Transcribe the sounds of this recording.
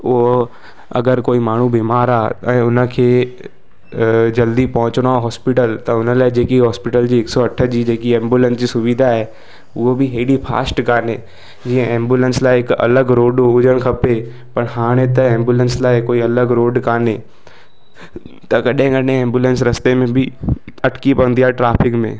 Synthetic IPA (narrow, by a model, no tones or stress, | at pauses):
ʊɦo | ɐ̰ɡəɾkoːimaːɳ̤ubiːmaːɾaːɛ̃ːʊnə̆kʰeː | d͡ʑɐld̪ipɐɦʊ̃t͡ɕəɽ̃aɦɔːspɪʈəlt̪ɐʊnə̆laːɪd͡ʑeːkiɦɔːspɪʈəld͡ʑiːɪksɔɐʈʰə̆d͡ʑiːd͡ʑeːkiẽːmbjuːlə̃nsd͡ʑiːsʊʋid̪ʱaɦe | ʊɦobɪɦeɽipʰa̰ːsʈkaːne | d͡ʑiːə̃ʔẽːmbjulə̃nslaːɪɪkɐ̰ləɡɾoːɖʊd͡ʑəɽ̃kʰɐpe | pɐɽɦaːɽ̃et̪ɐẽːmbuːlə̃nslaːɪkoːiɐləɡɾoːɖkaːne | t̪ɐkɐɗẽɡɐnẽẽːmbjuːlə̃nsɾɐst̪emẽbɪɐʈʰkipɐə̃nd̪iaːɦʈɾaːpʰɪkmḛ̃ː